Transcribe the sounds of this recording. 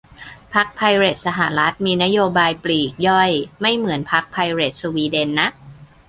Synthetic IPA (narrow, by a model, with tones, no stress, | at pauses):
pʰa˦˥k̚pʰa˧jɾe˨˩t̪̚sa˧ɦa˨˩ɾa˦˥t̪̚miː˧na˦˥joː˧baː˧jpliː˨˩k̚jɔ˥˩jma˥˩jmɯ˩˦ənpʰa˦˥k̚pʰa˧jɾe˨˩t̪̚su˧wiː˧de˧nːa˦˥ʔ